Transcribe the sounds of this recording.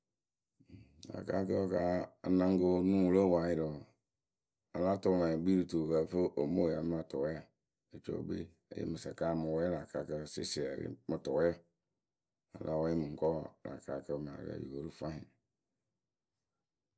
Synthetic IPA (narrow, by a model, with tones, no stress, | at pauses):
a̰˨ka̰˦kə˦ka˦a˨nã˦ŋ˦ɡo˦nũ˦wlə˦wa˨ji˨ɾɔ˨ | a˨la˦tɔ˦˨ma˨ɡ͡bi˦ɾu˨tu˨ka˨fə˦ʔo˨mo˦˨a˨˦m˦a˨tɔ˨˦a˨ | e˨t͡ʃo̰˦bḛ˦ | ḛ˨jḛ˦mɨ˨sa˨ka˦˨mə̃˨wɔ˦ɛ˦la˨ka˨kə˦sḛ˦si˨a˨ɾḭ˦mə˨tɔ˨˦a˦˨ | a̰˨lʔa˦wɔ˦ji˦mɨ̃˨ŋ̩˨kɔ˦˨la̰˨ka˨kə˦m˨a̰˨ɾ̰jḭ˨ko˨ɾu˦fa˦ĩ˨